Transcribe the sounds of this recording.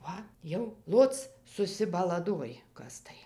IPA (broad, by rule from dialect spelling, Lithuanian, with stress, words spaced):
ˈʋɐ jɛʊ ˈlˠoːt͡s sʊsʲɪbɐlˠɐˈdoːj ˈkɐs tɐɪ